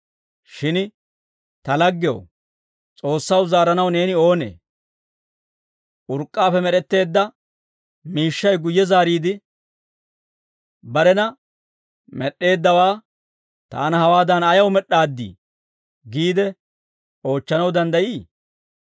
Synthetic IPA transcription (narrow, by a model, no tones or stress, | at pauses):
ʃɪn | t̪ɐlɐɡːɪjo̰w | t͡sʼo̞ːsːɐwzaːɾɐnɐwne̞ːnɪo̞ːnḛː | ʔʊɾkʼːaːfɛmɛɾɛt̪ːe̞ːd̪ːɐ | miːʃːɐjɡʊjːɛzaːɾiːd̪ɪ | bɐɾɛnɐ | mɛɗːe̞ːd̪ːɐwaː | t̪a̰ːnɐhɐwaːd̪ɐnɐjɐwmɛɗːaːd̪ːḭː | ɡiːd̪ɛ | o̞ːt͡ʃːɐnɐwd̪ɐnd̪ɐjiː